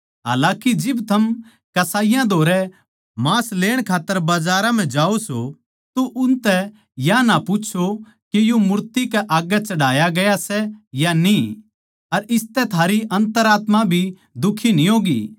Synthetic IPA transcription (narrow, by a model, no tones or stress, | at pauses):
ɦa̰ːlãːkid͡ʒɪbt̪ʰɐm | kɐsaːɪjãd̪ʱoːɾɛ | maːsleːɽ̃kʰaːt̪ːəɾbaːd͡ʒaːɾãm̤ɛ̃d͡ʒaːoso | t̪oʔʊnt̪ɛ | janapʊt͡ʃʰo | kejomʊɾt̪ikɛʔaːɡɛt͡ʃɐɽaːjaɡɐjasɛjani | ɐɾɪst̪ɛt̪ʰaːɾiʔɐ̃nt̪əɾaːt̪mabʱi | d̪ʊkʰinĩɦoːɡḭː